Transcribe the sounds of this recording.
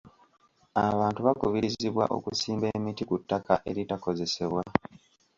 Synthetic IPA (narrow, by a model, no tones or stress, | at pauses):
aβaːntuβakuβiɾiziβwa̰ʔo̞̰kusiːmbe̞ːmitikutːakʰaʔe̞ɾitako̞ze̞se̞βwa